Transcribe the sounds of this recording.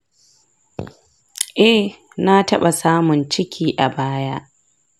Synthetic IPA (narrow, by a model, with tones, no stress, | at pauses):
ʔɛ˦ | na˦tɐ˦ɓa˨saː˦mʊ˨nt͡ʃɪ˦kʲʰiː˨ʔa˨baː˦ja˦ʔ